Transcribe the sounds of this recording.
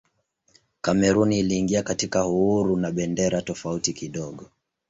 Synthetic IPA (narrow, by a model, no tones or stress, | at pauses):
kamɛɾuniːliːŋɡiakatikahuhuɾunaɓɛndɛɾatɔfautikiɗɔɠɔ